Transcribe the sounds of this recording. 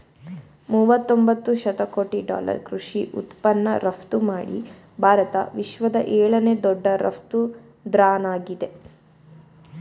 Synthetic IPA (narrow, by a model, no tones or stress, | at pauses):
muːʋɐt̪ːombɐt̪ːuʃɐt̪ɐko̞ːʈiɖa̰ːlɐ̰ɾkɾuʂiʔṵt̪pɐnːɐɾɐpʰt̪umaːɽḭ | bʱaːɾɐt̪ɐ̰ʋiʃʋɐd̪ɐʔɛːɭɐne̞ːd̪ɔɖːɐɾɐ̰pt̪u | d̪ɾaːnaːɡid̪e̞